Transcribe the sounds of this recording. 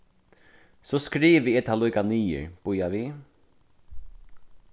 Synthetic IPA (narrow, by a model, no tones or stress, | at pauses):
sɔskɾiːʋəɛt̪ʰaluːjkaniːə̰ɹb̥ʊjaʋi